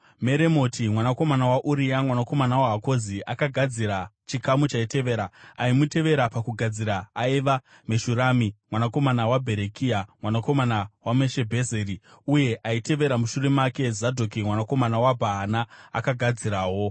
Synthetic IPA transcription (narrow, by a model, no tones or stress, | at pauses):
me̞ɾe̞mo̞timwanako̞manawaʔuɾiamwanako̞manawaɦako̞ziʔakaɡʱad͡ziɾat͡ʃikamut͡ʃaite̞ʋe̞ːɾaaimute̞ʋe̞ɾapakuɡʱad͡ziɾaaiʋa | me̞ʃuɾamimwanako̞manawabʱe̞ɾekʰiamwanako̞manawameʃe̞bʱe̞zeɾiuje̞ʔaite̞ʋe̞ɾamuʃure̞make̞zadʱokimwanako̞manawabʱaɦanaa̰kaɡʱad͡ziɾaːwo̞